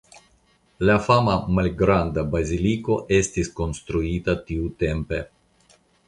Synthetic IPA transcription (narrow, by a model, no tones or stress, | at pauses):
lafamamalɡɾand̪abazilikoʔest̪iskonst̪ɾuit̪at̪iut̪empe